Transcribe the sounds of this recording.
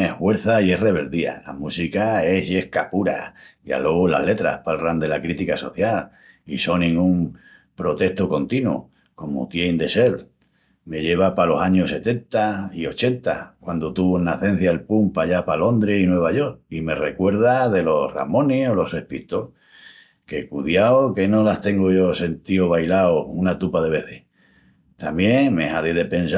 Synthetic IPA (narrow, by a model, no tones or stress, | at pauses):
ehhwe̞ɾθaie̞re̞β̞e̞ld̪ia̰la̰musikae̞ɦje̞hkapuɾa̰ia̰lo̞ɣula̰le̞t̪ɾa̰hpalrand̪e̞lakɾit̪ikaso̞θjal | iso̞nĩŋɡum | pɾo̞t̪e̞ht̪oko̞nt̪inwṵ | ko̞mo̰t̪jejnd̪e̞se̞l | me̞ʎe̞β̞apalo̞saɲose̞t̪e̞nt̪aio̞t͡ʃe̞nt̪a̰kwand̪ot̪uβonaθẽ̞n̟θjaelpumpaʝapalo̞nd̪ɾeinwe̞β̞aʝo̞ɾkime̞re̞kwe̞ɾð̞aðe̞lo̞ra̰mõ̞niolo̞se̞hpit̪o | ke̞kuðjaoke̞no̞last̪e̞ŋɡoʝo̞se̞nt̪ioβ̞ajlaounat̪upaðe̞βe̞θeh | t̪ambje̞ŋme̞̰haðeðe̞pẽ̞ns